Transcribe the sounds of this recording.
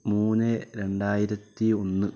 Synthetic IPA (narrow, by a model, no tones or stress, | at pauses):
muːnɨɾe̞ɳɖaːjiɾɐt̪ːio̞nːɨ